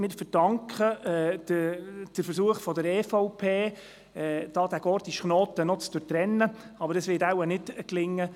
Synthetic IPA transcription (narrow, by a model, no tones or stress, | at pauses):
mɪːɾfəd̥ɑŋkχəɛːdəd̥əɾfəɾsuəχfɔdəɾɛːfɔʊpʰeː | d̥ɑːd̥̪æɡ̥ɔːrt̪iʃχnoːt̪ənɔt͡sd̥̪ʉɾtɾɛnːəɑbəɾdɑsʋɪtawənɪtklɪŋːə